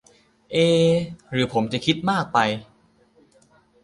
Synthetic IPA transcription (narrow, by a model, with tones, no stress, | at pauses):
ʔeː˧ɾɯː˩˦pʰo˩˦mt͡ɕa˨˩kʰi˦˥t̪̚maː˥˩k̚pa˧j